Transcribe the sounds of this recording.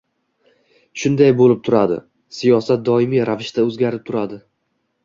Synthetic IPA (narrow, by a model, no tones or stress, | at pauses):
ʃʊnd̪ajbolɪp̚t̪ʰʊɾad̪ɪ̰ | sijɒsat̪̚d̪ɒɪmiɾavɪʃt̪ʰaɵzɡʲaɾɪp̚t̪ʰʊɾad̪ɪ